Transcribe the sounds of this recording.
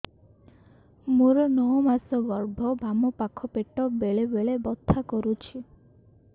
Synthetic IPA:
muɾɔnɔɔmasɔbɔɾbʱɔbʱamɔpakʰɔpeʈɔbeɭebeɭebɔt̪ʰːakɔɾut͡ʃʰi

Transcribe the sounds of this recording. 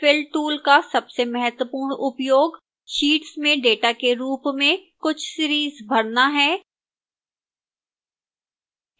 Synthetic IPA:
fɪlɖʈuːlkasɐbsemɐɦət̪wəpuːɾɳʊpjoːɡ | ʃiːʈsmẽɖeːʈakeɾuːpmẽkʊt͡ʃʰsiɾiːzbʱɐɽnaɦɛː

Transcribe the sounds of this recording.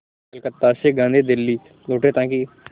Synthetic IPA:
ɐlkət̪ːaseɡãːnd̪ʱid̪ɪlːiː | loːʈet̪ãːki

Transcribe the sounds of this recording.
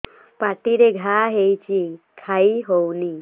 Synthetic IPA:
paʈiɾeɡʱaɦejt͡ɕi | kʰaiɦowni

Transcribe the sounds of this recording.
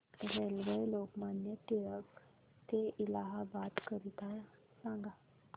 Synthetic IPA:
ʋelʋejlokmanjet̪iɭək | t̪eʔilaɦabat̪kəɾit̪aj | sãŋɡa

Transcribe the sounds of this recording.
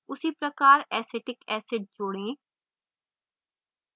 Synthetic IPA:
ʊsiːpɾəkaːɾɛːseːʈɪkɛːsɪɖ̚d͡ʒoːɽẽː

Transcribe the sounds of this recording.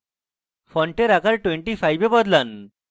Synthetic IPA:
fɔɳʈeɾakalʈweɳʈifajbebɔd̪lan

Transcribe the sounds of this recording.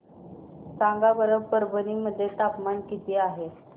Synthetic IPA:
saŋɡabəɾəʋpəɾbəniməd̪ʱːjet̪apmankit̪iːaɦe

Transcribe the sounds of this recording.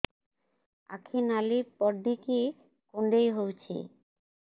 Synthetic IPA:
a̰kʰenalipɔɾɖ̪ike | koɳɖejɦowt͡ɕʰḛ

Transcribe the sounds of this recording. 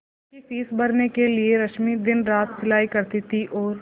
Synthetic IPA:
kifiːsbɐɾnekelieɾɐʃmid̪ɪnɾaːt̪sɪlaːikɐɾt̪it̪iʔɔːɾ

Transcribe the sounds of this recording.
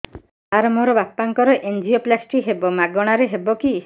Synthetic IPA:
aɾmoɾɔbapːaŋkɔɾɔʔend͡ʒioplasʈiɦebɔmaɡɔɽ̃aɾeɦebɔki

